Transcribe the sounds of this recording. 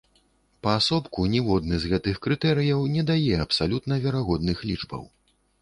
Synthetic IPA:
pɐːsɔpkunʲɛvɔd̪nɨzɣɛt̪ɨxkɾɨt̪ɛɾɨjɐwnʲɛd̪ajɛɐpsalʲut̪nɐvʲɛɾaɣɔd̪nɨxlʲid͡ʐbɐ̰w

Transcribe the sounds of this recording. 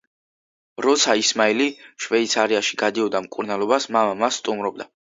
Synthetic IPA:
ɾɔt̪sʰaismailiʃvɛit̪sʰaɾiaʃi̥ɡad̪iɔd̪amkʼuɾnalˠɔbasmamamasːt̪ʼumɾɔb̚d̪a

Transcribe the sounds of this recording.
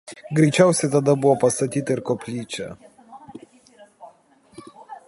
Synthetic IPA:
ɡɾʲɛɪt͡ʃʲɛˑʊsʲɛɪt̪ɐd̪ɐbʊʋɔːpɐst̪ɐt̪ʲiːt̪ɐɪɾkoːpʲlʲiːt͡ʃʲɛ̰

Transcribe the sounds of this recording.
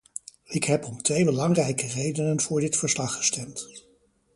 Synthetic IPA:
ɪkɦɛpɔmtʋejbəlɑŋrɛjkərejdənənv̥ʊːɹdɪtfəɹslɑχːə̥stɛmt

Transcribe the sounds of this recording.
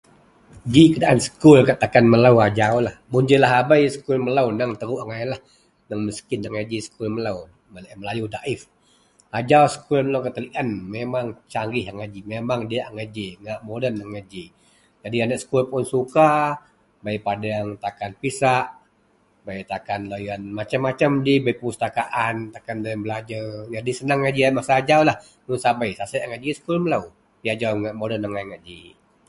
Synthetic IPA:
d͡ʒikədaʔansə̥kʊlkaʔt̪akanməlawad͡ʒaulahmund͡ʒəlaɦabajsə̥kulməlawnəŋt̪əɾuʔaŋainlah | naŋməskɪnːaŋad͡ʒisə̥kulməlaw | məlməlajudaʔɪf | ad͡ʒausə̥kulməlawkat̪əliʔanmemaŋt͡ʃaŋɡɪhaŋad͡ʒimemaŋdiaʔŋad͡ʒiŋaʔmodənːaŋːad͡ʒi | d͡ʒadianəʔsə̥kulpʊnsuka | bajpadaŋt̪akanpisaʔ | bajt̪akanlojanmat͡ʃamːat͡ʃamd͡ʒibaipəust̪akaʔant̪akandajəŋbəlad͡ʒad͡ʒadisənaŋːad͡ʒiamasad͡ʒawlah | nunsabajsasaʔaŋad͡ʒisə̥kulməlaw | piad͡ʒawŋaʔmodənaŋajŋaʔd͡ʒi

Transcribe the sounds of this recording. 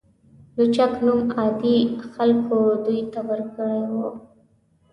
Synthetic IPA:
lut͡ʃaknumɑd̪ixalkod̪ujt̪awəɾkəɽewu

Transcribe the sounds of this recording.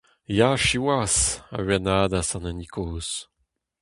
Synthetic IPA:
jaʃiwasa̰ɥɛnaːd̪asãnanikʰoːs

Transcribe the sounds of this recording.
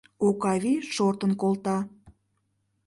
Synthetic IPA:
okɑviʃort̪ənkolt̪ɑ

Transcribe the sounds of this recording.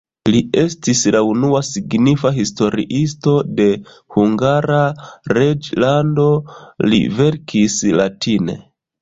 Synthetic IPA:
lie̞stislaunuasiɡnifaɦisto̞ɾḭʔisto̞de̞ | huŋɡaɾaɾed͡ʒlando̞lḭve̞ɾkʰislatine̞̰

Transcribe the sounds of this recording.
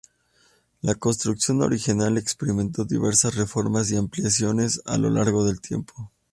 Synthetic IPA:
lako̞nst̪ɾuksjo̞no̞̰ɾixinale̞kspe̞ɾime̞nt̪o̞ðḭβe̞ɾsasre̞fo̞ɾmasiampljas̬jo̞ne̞sa̰lo̞̰laɾɣo̞ðe̞lt̪je̞̰mpʰo̞

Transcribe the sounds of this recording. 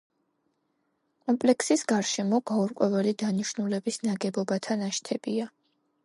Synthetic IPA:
kʼɔmpʼlɛksisɡ̥aɾʃɛmɔɡ̥auɾkʼwɛvɛlid̪aniʃnulɛbisnaɡɛbɔbat̪ʰanaʃt̪ʰɛb̥ia

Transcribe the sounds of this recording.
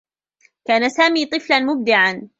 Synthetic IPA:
kaːnasaːmiːt̪ˤɨflanmʊb̚d̪ɪʕan

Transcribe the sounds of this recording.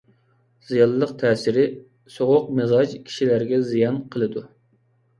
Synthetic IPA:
z̥ijɑlːˠəqt̪ʰɛːsɪɾɪ | soʁʊq̚mɪzɑd͡ʒkʲʰi̥ʃilæɾɡʲɛzijɑnqʰəlˠɨd̪u

